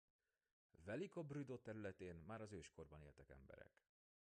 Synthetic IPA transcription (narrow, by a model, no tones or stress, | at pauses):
vɛlikɒbryd̪oːt̪ɛɾylɛt̪eːnmaːɾɒzøːʃko̞rbɒneːlt̪ɛkɛ̰mbɛ̰ɾɛ̰k